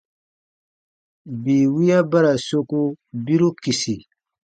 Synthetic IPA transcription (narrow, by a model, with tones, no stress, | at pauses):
bi˨wi˦ja˦ba˦ɾa˨so˦ku˦bi˦ɾu˦ki˨si˨